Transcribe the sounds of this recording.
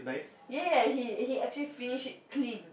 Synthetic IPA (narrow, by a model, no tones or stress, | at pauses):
naɪsjajahihiɛk̚t͡ʃəlifinɪʃkʰlĩn